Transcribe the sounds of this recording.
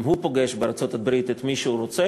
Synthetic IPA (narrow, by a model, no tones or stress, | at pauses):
mhupo̞ɡeʃbeɾat͡sot̪abɾit̪et̪miʃeuɾot͡se